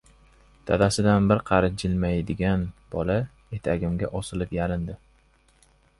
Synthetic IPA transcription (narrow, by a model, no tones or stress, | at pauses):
t̪ʰa̰d̪asɪd̪anbɪɾqʰɑɾɪd͡ʒɪlmajd̪ɪɡʲanb̥ɒla | e̞t̪ʰaɡʲɪmɡʲaʔɒsɪlɪpjalɪnd̪ɪ